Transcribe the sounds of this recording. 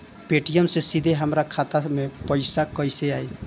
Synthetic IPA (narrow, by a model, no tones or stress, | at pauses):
peʈijəmsesid̪ʱeɦəmɾakʰat̪amepəɪsakəjseaj